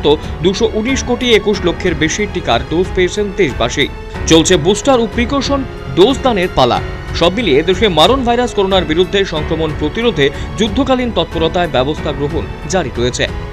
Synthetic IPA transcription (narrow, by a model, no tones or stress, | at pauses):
t̪od̪uʃoʔuniʃkoʈiekuʃlokʰːeɾbeʃiʈikaɾɖod͡ʑpeet͡ɕʰent̪eʃba̰ʃi | t͡ɕolt͡ɕʰebusʈaɾupɾikoɾʃon | ɖosd̪aneɾpala̰ | ʃɔbmilied̪eʃemaɾonbʱajɾaskoɾonaɾbiɾud̪ʱːeʃɔŋkɾomonpɾot̪iɾod̪ʱed͡ʑud̪ʱːokalint̪ɔt̪̚poɾot̪aebɛbost̪ʰaɡɾoɦon | d͡ʑaɾiɾojet͡ɕʰḛ